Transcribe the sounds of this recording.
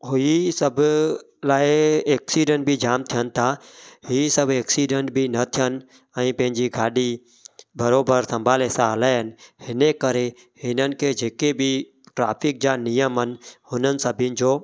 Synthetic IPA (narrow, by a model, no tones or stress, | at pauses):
ɦʊisəbʱ | laːeeːksiːɖə̃ɳʈ̚bʱid͡ʒaːmt̪ʰijənt̪ʰahiːsəbeːksiːɖəɳʈ̚bʱinɐt̪ʰɪjən | ɛ̃ːpɐ̃ɦɪɲd͡ʒiɡʱaːɗi | bəɾoːbəɾsɐ̃mbʱaːlesaəlaːɦənhɪnekəɾe | hɪnən̆kʰed͡ʒeːkebi | ʈɾaːpʰɪk̚d͡ʒaːnijəmɦənhʊnənɪ̆səbʱɪn̆d͡ʒoː